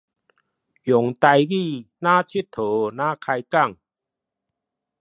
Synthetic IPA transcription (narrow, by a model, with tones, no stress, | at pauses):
jɔ˨˩ŋt̪a˧jɣi˥˧˨nã˦t͡ɕʰi˦t̚t̪ʰo˨˦nã˦kʰa˧jka˥˧˨ŋ